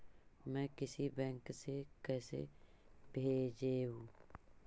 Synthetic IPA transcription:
mɛ̃ːkɪsibɛ̃ːŋksekɛːsḛ | bʱeːd͡ʒeɦũː

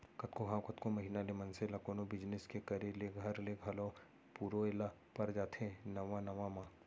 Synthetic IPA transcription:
kɐt̪koɦãːkɐt̪komɐɦiːnalemɐnselakoːnobɪd͡ʒnɪskekɐɾeleɡʱɐɾleɡʱɐlõ | puːɾoela | pɐɾd͡ʒaːt̪ʰẽnɐʋãnɐʋamãː

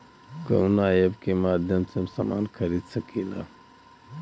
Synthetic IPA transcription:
ko̰wnaːjebkemaːd̪ʱjɐmsemsama̰ːnxʰɐɾiːd̪sɐkiːla̰

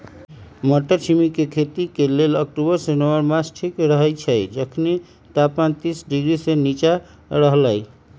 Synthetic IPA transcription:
mɔʈːəɾt͡ʃʰimikekʰet̪ikelelək̚ʈubəɾsenəwəɾmasʈʰikɾəɦət͡ʃʰəd͡ʒəkʰni | t̪apant̪isɖiɡɾisenit͡ʃa | ɾəɦlɛj

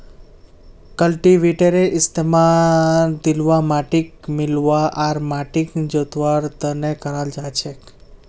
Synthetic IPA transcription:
kəlʈiʋiʈeɾeʔɪst̪emã | d̪ilʋamaʈik̚mɪlʋaʔaɾmaʈikd͡ʒot̪ʋaɾt̪ənekəɾald͡ʒat͡ʃʰek

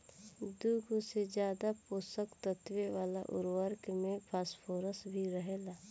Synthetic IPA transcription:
d̪uɡosed͡ʒjaːd̪apoːsəkt̪ət̪weʋaːlaʔʊ̰ɾwəɾkmẽpʰaːspʰoːɾəsbʱiɾəɦeːlaː

